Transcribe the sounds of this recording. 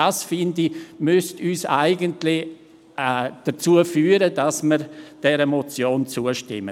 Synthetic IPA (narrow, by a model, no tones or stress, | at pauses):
asfɪndimʏstyːsa̰ɪɡəntlɪ | d̥ət͡suəfyːɾədɑsməɾd̥ɛɾəmɔt͡sjoːnt͡suːəʃtɪ̰mə